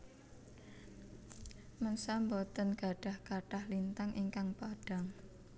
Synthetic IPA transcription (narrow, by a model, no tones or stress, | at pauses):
mənsambɔt̪ənɡ̥a̤ɖ̥a̤hkaʈahlint̪aŋʔiŋkaŋpaɖ̥a̤ŋ